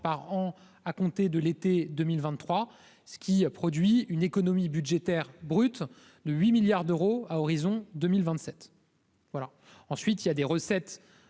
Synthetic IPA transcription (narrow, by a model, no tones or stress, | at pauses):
paʁɑ̃ | akɔ̃t̪ed̪əlet̪ed̪əmilvɛ̃t̪ːχwa | sə̥kʲipχɔd̪ɥiynekɔnɔmibyd̪ʒet̪ɛʁbʁyt̪ | d̪əɥimiljaʁd̪øʁoaɔʁizɔ̃d̪ømilvɛ̃t̪sɛt̪ | vwala | ɑ̃sɥit̪iljad̪eʁəsɛt̪